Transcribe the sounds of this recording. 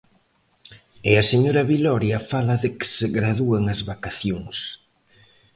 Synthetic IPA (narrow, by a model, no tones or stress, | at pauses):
ɪɐseɲoɾɐβilɔɾjɐfalɐðɪkɪ̥sɪɣɾaðuaŋɐzβakaθjoŋs